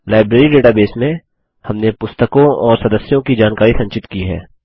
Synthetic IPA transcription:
laːɪbɾeːɾiɖeːʈabeːsmẽ | hɐmnepʊst̪əkõɔːɾsɐd̪əsjõkid͡ʒaːnkaːɾisɐ̃ɲt͡ʃɪt̪kiɦɛ̰ː

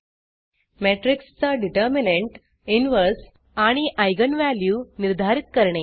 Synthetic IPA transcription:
meʈɾikst͡saɖiʈəɾmineɳʈ | inʋəɾs | aɽ̃iʔajɡənʋæljuːniɾd̪ʱaɾit̪̚kəɾɳe

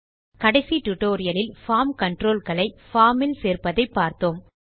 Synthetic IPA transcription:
kɐɽɐɪsiʈʊʈːoːɾɪjɐlɪlfaːmkɐɳʈɾoːlkɐɭɐɪfaːmɪlseːɾpɐðɐɪpːaːɾt̪oːm

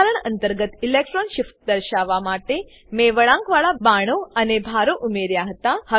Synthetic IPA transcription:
ɾəɳənt̪əɾɡət̪ilek̚ʈɾɔnɕifʈ̪̚d̪əɾɕaʋamaʈe | meʋəɭãŋkʋaɭabaɽ̃oənebʱaɾoʔumeɾjaɦət̪ahə

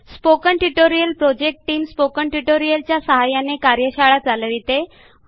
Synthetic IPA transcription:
spokəɳʈuʈoɾijəlpɾod͡ʑek̚ʈʈiːmspokəɳʈuʈoɾijəlt͡ɕjasəɦajanekaɾjəɕaɭat͡saləʋit̪e

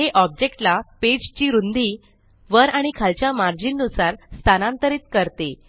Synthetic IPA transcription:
ɦeʔɔb̚d͡ʑek̚ʈlaped͡ʑt͡ɕiːɾund̪i | ʋəɾaɽ̃ikʰalt͡ɕjamaɾd͡ʑiːnːusaɾst̪ʰanãnt̪əɾiːt̪̚kəɾt̪e

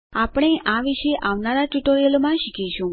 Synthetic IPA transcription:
apɽ̃eʔaʋiʃeʔaʋnaɾaʈuʈoɾijəlmãʃikiʃũ

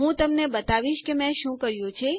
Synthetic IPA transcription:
ɦũt̪əmnebət̪aʋiʃkemɛ̃ʃũkəɾjũt͡ʃʰe

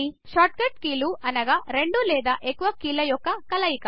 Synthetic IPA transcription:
i | ʃaːʈ̚kɐʈkiːluʔɐnɐɡaːɾe̞ɳɖulɛːd̪aːʔekːuʋɐkiːlɐjɔkːɐkɐlɐjikɐ

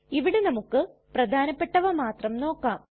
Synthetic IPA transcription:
iʋiɽenɐmukːɨprɐd̪ʱaːnɐpːe̞ʈːɐʋɐmaːt̪rɐmno̞ːkːaːm

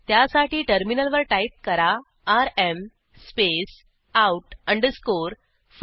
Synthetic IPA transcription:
t̪jasaʈiːʈəɾminəlʋəɾʈaip̚kəɾaː | ɾem | spes | auʈəɳɖskoɾ | f

